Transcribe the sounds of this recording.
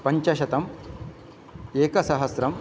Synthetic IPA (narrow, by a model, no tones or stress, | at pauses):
pɐɲt͡ʃɐʃɐt̪ɐm | eːkɐsɐɦɐsɾɐm